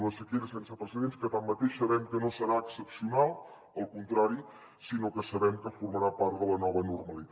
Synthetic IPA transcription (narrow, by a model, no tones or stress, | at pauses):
ləsəkeɾəsɛnsəpɾəs̬əðenskət̪amːət̪eʃsəβɛmkənosəɾaəksəpsiunalˠ | əlˠkunt̪ɾaɾi | sinokəsəβɛmkəfuɾməɾapaɾt̪ðələnɔβənurməlit̪